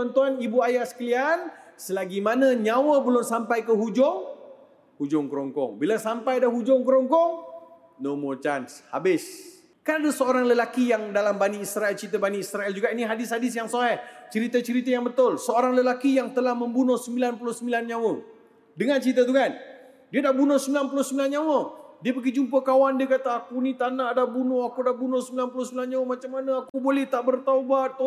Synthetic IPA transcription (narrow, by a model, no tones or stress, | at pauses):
t̪ant̪uanibuajasə̥kəliansəlaɡimanə̃ɲãwəbəlʊmsampajkəɦud͡ʒʊŋ | hud͡ʒʊŋkəɾɔŋkɔ̰ŋbilasampajdaɦud͡ʒʊŋkəɾɔŋkɔŋ | nomot͡ʃanshabɪs | kanadasəoɾaŋləlakijaŋdalambaniːsɾaɛlt͡ʃit̪̬əbaniːsɾaɛld͡ʒuɡainiɦadɪshadɪs̬jaŋsoɦɛht͡ʃəɾit̪ət͡ʃəɾit̪ajaŋbət̪ʊlsəoɾaŋləlakijaŋt̪əlahməmbunɔsəmbilanpulohsəmilanɲawə | dəŋãnt͡ʃɾit̪̬ət̪̬ukan | diədahbunɔhsəmbilanpulʊsəmbilanɲawədiəpəɡid͡ʒumpəkawandiəkat̪aakunit̪anadahbunɔhakudahbunɔsəmbilanpulʊsəmilanɲawəmat͡ʃamːanəakubolɛht̪aʔbərt̪aubat̪̚ː